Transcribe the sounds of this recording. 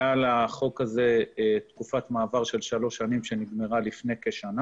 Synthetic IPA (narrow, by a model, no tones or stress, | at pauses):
alaχo̞kaze̞t̪kufatmaːvaʁʃe̞lʃalo̞ʃanimʃe̞niɡme̞ʁalifne̞jkeʃana